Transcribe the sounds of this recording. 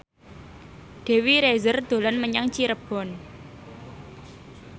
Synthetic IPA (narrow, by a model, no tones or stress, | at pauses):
d̪̥e̤wiɾezərd̪̥o̤lɔnməɲaŋt͡ʃiɾəb̥ɔ̤n